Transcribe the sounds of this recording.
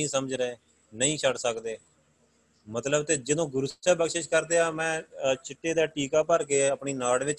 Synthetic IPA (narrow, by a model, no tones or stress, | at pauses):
ĩːsəməd͡ʒɾeː | nəĩːt͡ʃʰəɽsəkd̪eː | mət̪ləbt̪eːd͡ʒɪd̪õːɡʊɾʊsɛːbəkʃɪʃkəɾd̪eːaːmɛ̃ːt͡ʃɪʈːeːd̪aːʈiːkaːpəɾkeːəpɳiːnaːɽʋɪt͡ʃ